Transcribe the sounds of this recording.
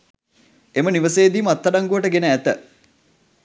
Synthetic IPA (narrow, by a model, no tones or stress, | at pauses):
eməniʋəseːd̪iːmat̪ːɐɖaŋɡuʋəʈəɡenəæt̪ə